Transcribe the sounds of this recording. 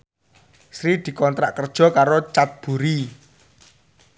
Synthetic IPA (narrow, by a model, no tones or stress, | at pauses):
sɾid̪̥i̤kɔnt̪ɾaʔkərd̥ʒ̥ɔ̤kaɾot͡ʃat̪̚b̥ṳɾi